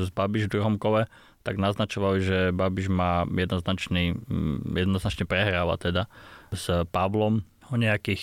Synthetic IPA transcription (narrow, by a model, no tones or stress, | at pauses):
zbabiʒvd̪ɾuɦɔmkɔlɛ | t̪aɡnaznat͡ʃɔʋaliʒɛbabiʒmaːjɛd̪nɔznat͡ʃnijɛd̪nɔznat͡ʃɲɛpɾɛɦɾaːʋa̰t̪ɛd̪azpaʋlɔm | ɔɲɛakiːx